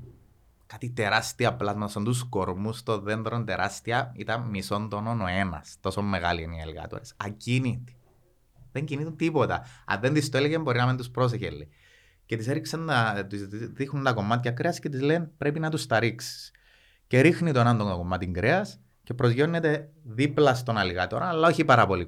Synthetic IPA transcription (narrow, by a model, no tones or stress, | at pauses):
kat̪it̪e̞ɾast̪iɐplɐzmɐt̪ɐsond̪us̬ko̞ɾmust̪o̞ðend̪ɾont̪e̞ɾʔɐst̪iɐḭt̪ɐmiso̞nd̪onono̞e̞nɐ̰st̪o̞so̞mːe̞ɣa̰lieniḛlɣɐ̰t̪o̰ɾesɐcinit̪i̥ | ðeɲɟiniθunt̪ipo̞t̪ɐ̰ɐ̰nðend̪ist̪oeleʝembo̞ɾinɐment̪uspɾo̞s̬eçelːḭ | ce̞t̪ise̞ɾiksent̪ðixunt̪ɐko̞mːɐt̪çɐkɾeɐscet̪izlenpɾe̞pinɐt̪ust̪ɐɾiksi̥s | ce̞ɾixnit̪oenɐnd̪ont̪oko̞mːɐt̪iŋɡɾeɐs | ce̞pɾo̞zʝo̞nːet̪e̞ðiplɐst̪o̞nɐliɣɐt̪oɾonalːɐo̞çipɐɾɐpo̞li